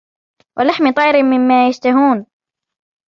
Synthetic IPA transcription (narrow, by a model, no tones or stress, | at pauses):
wʔalaħmɪt̪ˤɑjɾɪmɪmːaːjaʃt̪aɦuːn